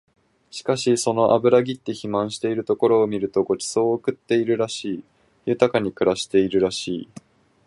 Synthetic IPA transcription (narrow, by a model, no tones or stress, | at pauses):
ɕi̥kaɕiso̞no̞ʔabɯ̟ɾaɡʲit̪ːe̞çimãɰ̃ɕi̥t̪e̞iɾɯ̟t̪o̞ko̞ɾo̞ːmʲiɾɯ̟t̪o̞ɡo̞t͡ɕi̥so̞ːɯkɯ̟t̪ːe̞iɾɯ̟ɾaɕiː | jɯ̟t̪akaɲ̟ikɯ̟ɾaɕi̥t̪e̞iɾɯ̟ɾaɕiː